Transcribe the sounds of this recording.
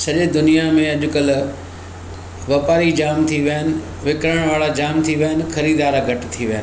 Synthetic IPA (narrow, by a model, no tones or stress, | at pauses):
sɐʄed̪ʊnijamẽɐʄʊkəl | ʋɐːpaːɾid͡ʑaːmt̪ʰiʋjnɪ̆ | ʋɪkɾəɽ̃ʋaːɭad͡ʑaːmt̪ʰiʋijaɪnɪ̆xɐɾiːd̪aːɾaɡʱɐʈɪ̥̆t̪ʰiʋijənɪ